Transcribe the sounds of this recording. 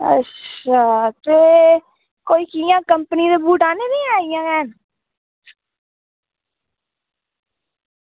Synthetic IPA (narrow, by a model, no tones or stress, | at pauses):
ə̰tːaːt̪eː | koːiːkijãːkəmpəniːd̪eːbuːʈaːneːd̪iːɛ̃ːijãːkɛːn